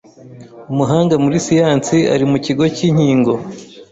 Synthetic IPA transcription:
umuɦaːŋɡamuɾisijaːnt͡sia̰ɾimuciɡo̞ciːɲ̥hiːŋɡo̞

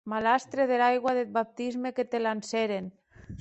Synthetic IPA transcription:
malast̪ɾeðelajɣwaðet̪̚bap̚t̪izmeket̪elanseɾen

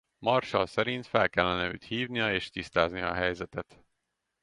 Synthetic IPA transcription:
mɒrʃɒlsɛɾint̪fɛlkɛlːɛnɛøːt̪hiːvnijɒeːʃt̪ist̪aːznijɒːɦɛjzɛt̪ɛt̪

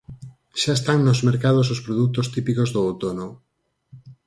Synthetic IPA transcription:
ʃaest̪aŋnozmeɾkað̞osospɾoðut̪ost̪ipikozðoawt̪ono

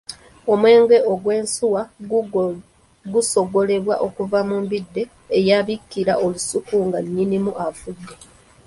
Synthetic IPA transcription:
o̞mwe̞ːŋɡe̞ʔo̞ɡwe̞ːnsuwa | ɡuso̞ɡo̞le̞βwaʔo̞kuvamumbidːe̞ː | jaβikːiɾaʔo̞lusukuŋɡaɲːinimuʔafudːe̞

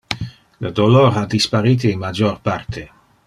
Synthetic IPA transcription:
ləd̪oloɾad̪ispaɾiːt̪iinmad͡ʒorpart̪ʰe

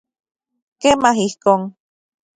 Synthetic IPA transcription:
kemaɦihkoŋ

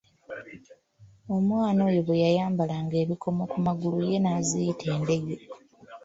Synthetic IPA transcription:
o̞mwaːno̞ːjoβwejajaːmbalaŋɡe̞ːβikʰo̞mo̞kumaɡuluje̞naːzijitʰe̞ːnde̞ɡe̞

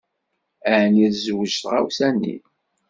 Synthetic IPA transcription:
æʕniðzwəʒtʁa̰wsænːḭ

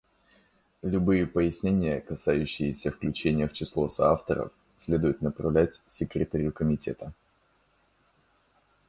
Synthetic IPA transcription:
lʲʊbɨjɪpəjɪsʲnʲenʲɪjəkɐsajʉɕːɪjɪsʲəfklʲʉt͡ɕenʲɪjəft͡ɕɪslˠo̞sɐaft̪əɾə̰f | sʲlʲe̞d̪ʊjʊt̪nəpɾɐvlʲætʲsʲɪkɾʲɪt̪ɐɾʲʊkəmʲɪtʲe̞̰t̪ə

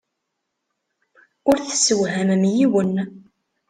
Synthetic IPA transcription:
ʊɾθə̥sːəwɦæmmjiwən

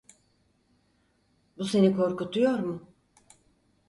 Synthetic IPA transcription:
buse̞nikʰo̞ɾkut̪ʰujo̞ɾmʊ

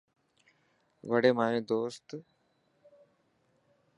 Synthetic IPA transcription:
ʋəɽeːmaːjẽːd̪oːst̪

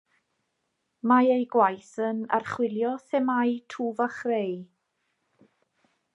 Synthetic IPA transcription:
maejɡwajθəna̰rχwɪlˠjɔθɛmajtʰuːvaχrej

